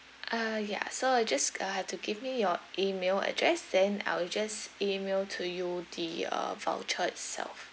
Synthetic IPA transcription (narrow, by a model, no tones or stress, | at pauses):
ʔaja̰soaɪd͡ʒasahɛftuɡivmijɔʔimelə̰dɹɛsdɛ̃na̰ɪwd͡ʒasimeltʰujudiʌ̰va̰lt͡ʃəɛtsɛ̰lf